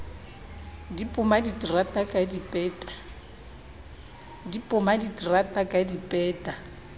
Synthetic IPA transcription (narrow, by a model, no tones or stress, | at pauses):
dipʼʊmaditʼratʼakʼadipʼɛːtʼḁ | dipʼʊmaditratʼakʼadipʼɛːtʼa